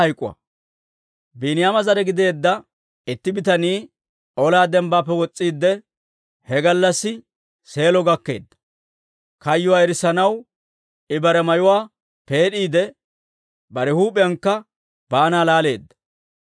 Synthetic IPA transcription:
ɐjkʼːʊ̰wa̰ | biːnɪjamɐzɐɾɛɡɪd̪e̞ːd̪ːɐ | ɪt̪ːɪbɪt̪ɐniː | ɔlaːd̪ɛmbaːpːɛwɔt͡sʼːiːd̪ːɛ | hɛɡɐlːɐsːɪ | se̞ːlɔɡɐkːe̞̰ːd̪ːɐ̥ | kɐjːʊwaːɛɾɪsɐnɐw | ɪbɐɾɛmɐjʊwaː | pe̞ːɗiːd̪ɛ | bɐɾɛhuːpʼɪjɐŋkːɐ | baːnaːlaːle̞̰ːd̪ːɐ̥

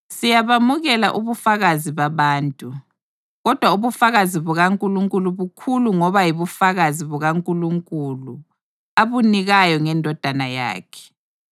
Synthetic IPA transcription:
sijaβamuɣɛla̰ʔuβufaɣaziβaβaːntʼu | ɣɔd̥ʱwauβufaɣaziβuɣaŋkʼuluŋkʼuluβukʰuluŋɔβajiβufaɣaziβuɣaŋkʼuluŋkʼulu | aβuniɣajɔŋɛndʱɔd̥ʱanaja̰ːkʰɛ̥

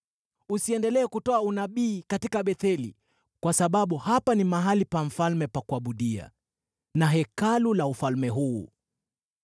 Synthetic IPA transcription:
usiɛndɛlɛːkutɔaunaɓiːkatikaɓɛθɛlḭ | kwasaɓaɓuhapanimaɦalipaɱ̩falmɛpakuaɓuɗia̰ | naɦɛkalulaufalmɛɦṵː

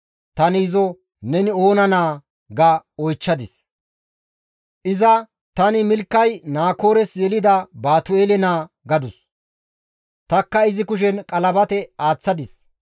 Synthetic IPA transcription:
t̪ɐnɪːzɔ | nɛnɪoːnɐnaː | ɡɐɔjt͡ʃːɐd̪ɪs | ʔɪzɐ | t̪ɐnɪmɪlkːɐjnaːko̞ːɾɛsjɛlɪd̪ɐbaːt̪ʊeːlɛnaː | ɡɐd̪ʊs | t̪ɐkːɐɪzɪkʊʃ̬ɛnkʼɐlɐbɐt̪ɛaːt͡sːɐd̪ɪs

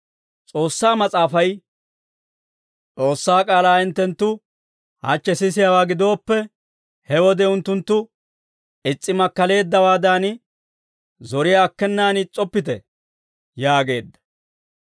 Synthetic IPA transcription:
t͡sʼo̞ːsːaːmɐt͡sʼaːfɐj | t͡sʼo̞ːsːaːkʼaːlaːɪnt̪ːɛnt̪ːʊ | ha̰t͡ʃːɛsɪsɪjawaːɡɪd̪o̞ːpːɛ | hɛwɔd̪ɛʊnt̪ːʊnt̪ːʊ | ɪt͡sʼːɪmɐkːɐle̞ːd̪ːɐwaːd̪an | zɔɾɪjaːkːɛnːaːnɪt͡sʼːɔpːɪt̪ɛ̰ | jaːɡe̞ːd̪ːɐ̥

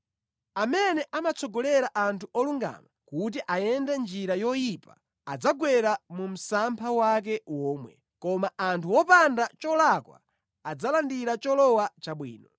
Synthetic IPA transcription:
amɛnɛʔamat͡sɔɡɔlɛɾaʔantʰuʔɔluŋɡa̰makut̬iʔajɛndɛnd͡ʒiɾajɔjipa | ad͡zaɡwɛɾamum̩sampʰawak̬ɛwɔːmwɛ̰ | kɔmaʔantʰuwɔpandat͡ʃɔlakwa̰ | ad͡zalandiɾat͡ʃɔlɔwat͡ʃaɓwiːnɔ

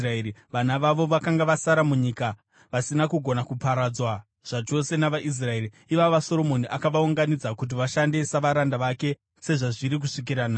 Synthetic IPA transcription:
raeɾiʋanaʋaʋo̞ʋakaŋɡaʋasaɾamuɲika | ʋasinakuɡʱo̞nakupaɾad͡zwa | ʐ̥at͡ʃo̞se̞naʋaʔis̬rae̞ɾi | iʋaʋaso̞ɾo̞mo̞niʔakaʋauŋɡanid͡zakut̬iʋaʃande̞saʋaɾandaʋake̞ | se̞ʐaʐiɾik̬uʂik̬iɾanaː

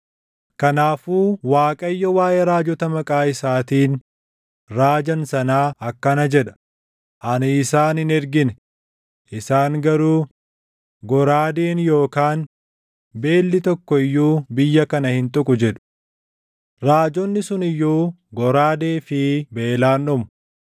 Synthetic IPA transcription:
kɐnaːfuːwaːkʼɐjːɔwaːjʔeɾaːd͡ʒɔt̪ɐmɐkʼaːɪsaːt̪iːn | ɾaːd͡ʒɐnsɐnaːɐkːɐnɐd͡ʒɛᶑɐ̥ | ʔɐnɪːsaːnhɪnɛɾɡɪnɛ | ʔɪsaːŋɡɐɾuː | ɡɔɾaːd̪eːnjo̞ːkaːn | be̞ːlːɪt̪ɔkːɔɪjːuːbɪjːɐkɐnɐhɪnt̪ʼʊkʼʊd͡ʒɛᶑʊ̥ | ɾaːd͡ʒɔnːɪsʊnɪjːuː | ɡɔɾaːd̪e̞ːfɪbeːlaːnɔmʊ̥

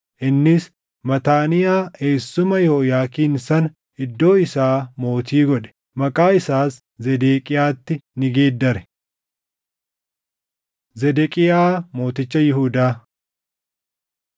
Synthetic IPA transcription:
ʔɪnːɪs | mɐt̪aːnɪjaːe̞ːsːʊmɐjoːjaːkiːnsɐn | ɪd̪ːo̞ːɪsaːmo̞ːt̪iːɡɔᶑɛ̥ | mɐkʼaːɪsaːs | zɛd̪eːkʼɪjaːt̪ːɪnɪɡeːd̪ːɐɾɛ | zɛd̪ɛkʼɪjaːmo̞ːt̪ɪt͡ʃːɐjɪɦuːd̪aː

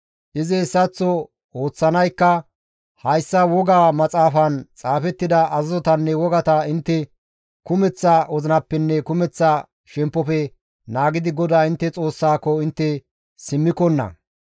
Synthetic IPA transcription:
ʔɪzɪsːɐt͡sːɔ | o̞ːt͡sːɐnɐjkːɐ | hɐjsːɐwɔɡaːmɐt͡sʼaːfɐnt͡sʼaːfɛt̪ːɪd̪ɐʔɐzɐzɔt̪ɐnːɛwɔɡɐt̪ɐɪnt̪ːɛ | kʊmɛt͡sːaɔzɪnɐpːɛnːɛkʊmɛt͡sːa | ʃɛmpːɔfɛ | naːɡɪd̪ɪɡɔd̪aːɪnt̪ːɛt͡sʼo̞ːsːaːkːɔɪnt̪ːɛ | sɪmːɪkɔnːɐ̰

